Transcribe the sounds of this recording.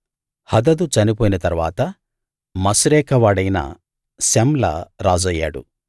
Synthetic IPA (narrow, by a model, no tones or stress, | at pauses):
hɐd̪ɐd̪ut͡ʃɐnip̬oːjinɐt̪ɐɾʋa̰ːt̪ɐ | mɐsuɾɛːkʰɐʋaːɽɐjnɐ̰ | semlɐ̰ɾaːd͡ʒɐjːa̰ːɽṵ